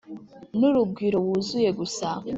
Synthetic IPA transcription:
nuɾub̚ɡiɾo̞wuzuje̞ɡusa

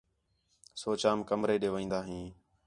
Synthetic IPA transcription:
soːt͡ʃaːmkəmɾeːɗeːʋəĩːnd̪aːɦĩː

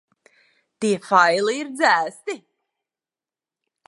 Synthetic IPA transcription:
t̪iɛfajliːɾd̪zæːst̪i

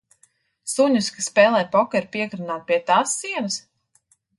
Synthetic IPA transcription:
suɲuskasːpɛːlˠɛːpɔkʲɛɾpiɛkɾunaːt̪̚pʲiɛt̪aːsːiɛnɐs

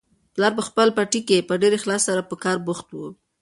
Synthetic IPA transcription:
plɑɾp̬əxpəlpaʈikepəɖeɾexlɑsːaɾapəkɑɾbʊxt̪wu

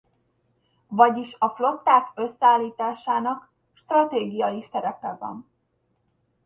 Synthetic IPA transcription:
vɒɟiʃɒflo̞t̪ːaːkø̞sːɛaːlːiːt̪aːʃaːnɒk | ʃt̪rɒt̪eːɡijɒjisɛɾɛpɛvɒ̰n

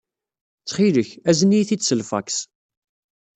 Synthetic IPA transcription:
t͡sχiləçæzənijθisəlfæ̰ks

